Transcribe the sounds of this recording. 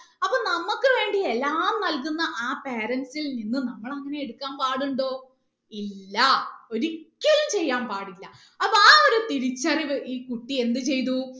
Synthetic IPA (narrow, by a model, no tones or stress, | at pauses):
ɐpːɐːnɐmːukːɨʋe̞ːɳɖielːaːmnɐlkunːɐʔaːpeːɾɐnsilninːɨnɐmːɐɭɐŋːɐne̞eɽukːaːnpaːɽuɳɖoː | ilːɐo̞ɾikʲːɐlumt͡ɕe̞jːaːmpaːɽilːɐ | ɐpːoaːo̞ɾut̪iɾit͡ɕːɐriiːkuʈːie̞nd̪ɨt͡ɕe̞jt̪u